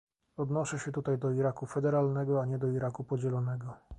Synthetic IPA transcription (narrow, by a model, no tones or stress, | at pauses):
ɔd̪nɔʂɛɕɛt̪ut̪ajd̪ɔiɾakufɛd̪ɛɾalnɛɡɔaɲɛd̪ɔiɾakupɔd͡ʑɛlɔnɛɡɔ